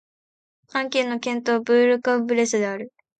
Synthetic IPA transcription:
kãŋkʲe̞ːnːo̞kẽ̞nt̪o̞ːbɯːɾɯ̟kabɯ̟ɾe̞sɨd̪e̞aɾɯ̟

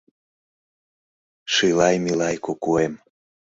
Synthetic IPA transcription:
ʃɯjlɑjmilɑjkokuem

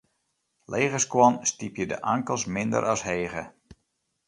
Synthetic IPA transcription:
lʔejɣəskwɔnstipjədə̰ʔaŋkəlˠsmɪndə̰ɾʔɑsheːɣə̰

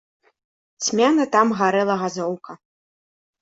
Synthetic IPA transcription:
t͡sʲmʲanɐt̪amɣaɾɛlˠɐɣazɔwkɐ

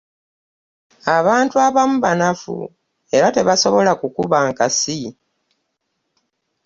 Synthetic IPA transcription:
aβaːntuaβamuβanafṵ | e̞ɾate̞βaso̞βo̞lakukuβaŋkasi

